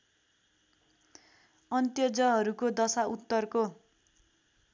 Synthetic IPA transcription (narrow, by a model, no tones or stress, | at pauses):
ʌnt̪jʌd͡zʌɦʌɾukod̪ʌsaut̪ːʌrko